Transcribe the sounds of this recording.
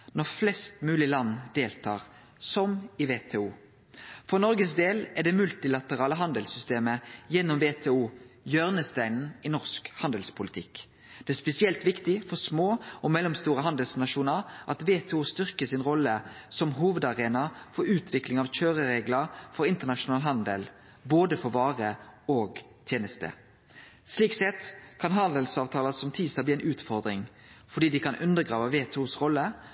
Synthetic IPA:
nɔʁflɛst̪mʉːlɪlɑnːd̪eːlt̪ʰɑ̰ːʁ | sɔmɪʋeːt̪ʰeːuː | fɔʁnɔɾɡəsd̪eːlæd̪ɛmʉlt̪ɪlɑt̪əʁɑːləɦɑnd̪əlsʏst̪eːməjɛnːɔmʋeːt̪ʰeːuːjøːʁnəst̪æɪnn̩ɪnɔʁskhɑnd̪əlspʰʊlɪt̪ʰɪkː | d̪̥ɛæspɛsɪɛlt̪ʋɪkt̪ɪfɔʁsmoːɔmɛlːɔmst̪uːɾəɦɑnd̪əlsnɑʃuːnəʁʔɑt̪ʋeːt̪ʰɛuːst̪ʏʁkəsɪnʁɔlːəsɔmɦuːʋəd̪ɑʁeːnɑfɔːʉːt̪ʰʋɪklɪŋɑʋc͡çøːɾəɾeːɡləʁfɔɾɪnt̪ənɑʃʊnɑːlɦɑnd̪əl | boːd̪əfɔʋɑːʁəoːɡ | t̪ʰjeːnəst̪ə̰ | sliːksɛt̪kʰɑnɦɑnd̪əlsɑːʋt̪ʰɑːləsɔmt̪ʰiːsɑbliːæɪnʉːt̪fɔʁd̪ɾɪŋ | fɔɖiːd̪ɪkʰɑnʔʉnd̪əɡʁɑːʋəʋeːt̪ʰɛuːsʁɔlːə

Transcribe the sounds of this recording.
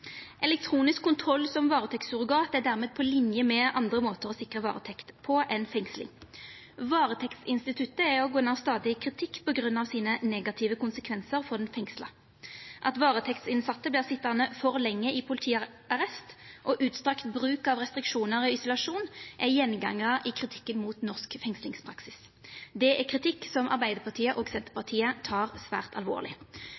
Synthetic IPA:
ʔɛlɛk̚t̪ʰʁuːnɪskʰːʊnt̪ʰʁɔlːsɔmʋɑːʁət̪ʰɛkt̪sʊʁɡɑːt̪æd̪æʁmeːd̪̚pʰɔlɪnjəmɛʔɑnd̪ʁəmoːt̪əʁɔsɪkʁəʋɑ̰ːʁət̪ʰɛkt̪pʰɔʔɛnfɛŋslɪ̰ŋ | ʋɑːʁət̪ʰɛkt̪sɪnst̪ɪt̪ʰʉt̪əæɔɡoːnɑːʋst̪ɑːd̪ɪəkʰʁɪt̪ʰɪkːpʰɔɡʁʉnːɑʋsiːnənɛːɡɑt̪ʰɪʋəkʊnsəkʰʋɛnsəʁfɔʁd̪ɛnfɛŋslɑ̰ | ʔɑ̰t̪ʋɑːʁət̪ʰɛkt̪sɪnsɑt̪ːəblɪːʁsɪt̪ːənəfɔʁlɛŋːəɪpʰʊlt̪ʰiː | ɑʁɛst̪ʔɔʔʉːt̪st̪ʁɑkt̪bʁʉːkɑʋʁɛst̪ʁɪkʂuːnəʁɔɪsʊlɑʂuːnʔɛjɛnɡɑ̰ŋːəʁəʔɪkʰʁɪt̪ʰɪ̥kːənmuːt̪nɔʁskfɛŋslɪŋspʰʁɑksɪs | d̪ɛʔɛkʰʁɪt̪ʰɪkːsɔmʔɑ̰ʁbæɪd̪əpʰɑʁt̪ʰiːəʔoːɡsɛnt̪əʁpɑt̪ʰiːət̪ʰɑːʁsʋæ̰ːʁt̪ʰɑ̰lʋo̰ːʁlɪ̰

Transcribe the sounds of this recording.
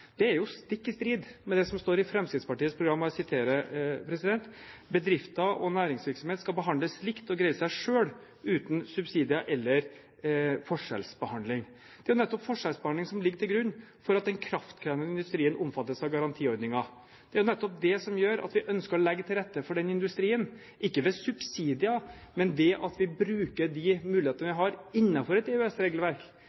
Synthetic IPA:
d̪̥ɛæɾjʊst̪ɪkːɪst̪ɾiːd̪mɛd̪ɛsɔmst̪oːɾɪfɾɛmskɪd̪spɑʈiːəspʰɾʊɡɾɑmːɑsɪt̪ʰeːɾəpʰɾɛsɪd̪ɛnt̪bəd̪ɾɪft̪ɑʔɔnæːɾɪŋsʋɪɾksɔmeːt̪skɑlbəɦɑnd̪ləsːlɪkt̪ɔɡɾɛɪəsæɪʂøːɽ | ʉːt̪n̩sʉbsiːd̪ɪɑʔɛlːəɾ | fɔʂɛ̰lsbəhɑnd̪lɪŋ | d̪̥ɛæɾjʊnɛt̪ːɔpfɔʂɛlsbəɑnlɪŋsɔmlɪɡːəʈʰɪlɡɾʉnː | fɔɾɑt̪̚d̪ɛnkʰɾɑft̪kʰɾɛːvnɪnd̪ʉst̪ɾiːənʔɔmfɑt̪ːəsɑʋɡɑɾɑnt̪ʰiːɔɾd̪nɪŋɑ | d̪̥ɛæɾjʊnɛt̪ːɔp̚d̪ɛsɔmjøːɾɑ̰t̪ʋɪʔœnskəɾɔlɛɡːət̪ʰɪlɾɛt̪ːəfɔɖɛnɪnd̪ʉst̪ɾiːən | ʔɪkːəʋɛsʉbsiːd̪ɪɑmɛnd̪ɛʔɑt̪ʋɪbɾʉːkəɖɪmʉːlɪheːt̪ənəʋɪɦɑɾɪnːɑfɔɾɛt̪ɛʉɛsɾeːɡlʋæɾk

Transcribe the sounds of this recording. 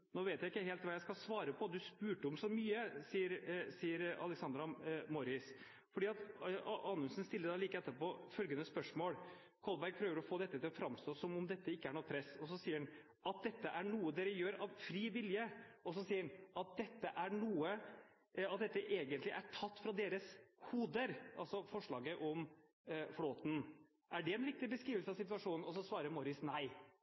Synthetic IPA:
noːʋeːt̪jæɪɪkːəheːlt̪ʋɑːjæɪskɑlsʋɑːɾəpʰɔd̪ʉspʉːʈəɔmsɔmyːəsiːəɾsiːəɾɑ̰lɛksɑnd̪ɾɑmɔɾɪs | fɔɖiːɑt̪ʔɑːnʉlsənst̪ɪlːəd̪ɑːliːkɛt̪ːəpoːfœlɡənəspœʂmoːl | kʰɔlbæɾɡ̚pʰɾøːʋəɾɔfoːd̪ɛt̪ːət̪ɪlɔfɾɑmst̪oːsɔmʊmd̪ɛt̪ːəɪkːəæɳɔːpʰɾɛsɔsɔsiːəɾɛn | ɑt̪̚d̪ɛt̪ːəʔæɳuːəd̪eːɾəjøːɾɑʋfɾiːʋɪljəɔs̬ɔsiːəɾnʔɑt̪̚d̪ɛt̪ːəʔæɳuːə | ɑt̪̚d̪ɛt̪ːəʔeːɡənlɪʔæʈʰɑt̪ːfɾɑd̪eːɾəshuːd̪əɾʔɑ̰lsɔfɔʂɭɑːɡəʔɔm | floːt̪n̩ | ʔæɖɛɛnʋɪk̚t̪ɪbəskɾiːʋəlsəɑʋsɪt̪ʉɑʂuːnn̩ɔs̬ɔsʋɑːɾəɾmɔɾɪsnæɪ

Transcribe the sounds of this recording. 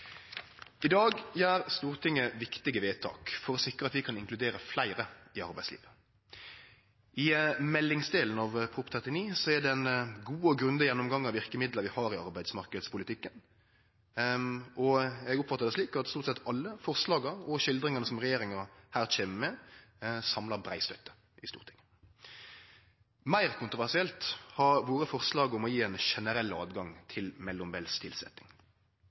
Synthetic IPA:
ɪd̪ɑːɡjæːɾst̪uːɾt̪ʰɪŋːəʋɪkt̪ɪɡəʋeːt̪ʰɑ̰ːkfɔɾɔsɪkɾəɑt̪ʋɪkʰɑnɪŋklʉd̪eːɾəflæɪɾəɪɑ̰ɾbæɪslḭːʋə | ʔɪmɛlːɪŋsd̪eːln̩ɑʋpʰʁʊːpt̪ʰɛt̪ɪniːsɔæd̪ɛɛnɡuːɔɡɾʉnd̪əjɛnːɔmɡɑŋːɑʋɪʁkəmɪd̪ləɾʋɪhɑːɾɪɑɾbæɪd̪smɑʁkəd̪spʰʊlɪt̪ʰɪkːən | ɔɛɡʊpːfɑt̪ːɑɾd̪ɛsʂliːkɑt̪st̪uːʁt̪sɛt̪ʰːɑlːəfɔʁslɑːɡɑɾɔʃɪld̪ɾɪŋɑnəsɔmʁɛjeːɾɪŋɑɾhæːʁt͡ʃʰeːməmɛ | sɑmlɑɾbɾæɪst̪œt̪ːə̥ | ʔɪst̪ṵːʁt̪ʰɪ̥ŋ | mæɪʁkʰʊnt̪ʁʊʋæʁʂɪɛlt̪hɑʋoːɾəfɔʁslɑːɡʊmɔjiːɛnʃɛnəɾɛlːɑ̰ːd̪ɡɑŋt̪ʰɪlmɛlːʊmbɛlst̪ʰɪlsɛ̰t̪nɪŋ

